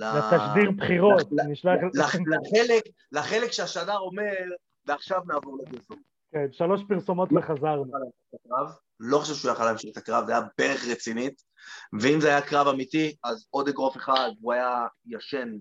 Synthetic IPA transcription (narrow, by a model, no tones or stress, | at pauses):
lalat̪aʃd̪iʁpχiʁo̞t̪niʃlaχlaelek | laχelekʃeaʃadaʁo̞me̞ʁ | veaχʃavnaːvoʁlekesom | kenʃalo̞ʃpiʁsomo̞t̪veχazaʁnal | t̪akʁav | loxχoʃɛvʃujaχalaemʃiχt̪akʁavzeajabeʁeχʁet͡sinit̪ | veimzeajakʁavamit̪iazo̞d̪eɡʁofeχad̪uajajaʃen